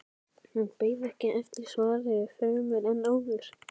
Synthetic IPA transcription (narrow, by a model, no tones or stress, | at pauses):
hunpeːjðɛhcɪʔɛft̪ɪ̥svaːɾɪfœmʏɾɛnːaːwvʏɾ̥